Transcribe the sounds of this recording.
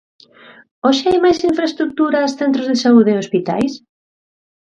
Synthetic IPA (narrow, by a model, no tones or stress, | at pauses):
ɔʃɪajmajsiɱfɾaest̪ɾuk̚t̪uɾaːsθent̪ɾozðesauðeospit̪a̰js